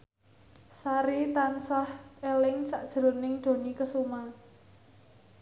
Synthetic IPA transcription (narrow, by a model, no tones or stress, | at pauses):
saɾit̪ansahelɪŋsaʔd̥ʒ̥ɾo̤nɪŋd̪̥o̤nikəsuman